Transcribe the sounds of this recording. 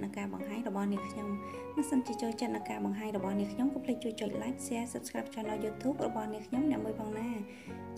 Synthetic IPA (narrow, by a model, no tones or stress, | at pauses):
nɨwkaːɓɑŋɦaːɲrɔɓɑhniəkʰɲom | ɓɑəsənt͡ɕiət͡ɕoːlt͡ɕət̪̚nɨwkaːɓɑŋɦaːɲrɔɓɑhniəŋkʰɲomkɑːpʰlɨc̚t͡ɕuəc̚t͡ɕŏəc̚lac̚ʰsɛəsəp̪̚skaːpʰt͡ɕʰŏənɗaːjuːt̪ʰuːp̚rɔɓɑhniəkʰɲomnɛ̆əʔmuəjpʰɑːŋnaː | t͡ɕ